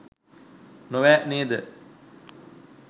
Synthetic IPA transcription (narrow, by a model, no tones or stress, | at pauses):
noʋæːʔneːd̪ə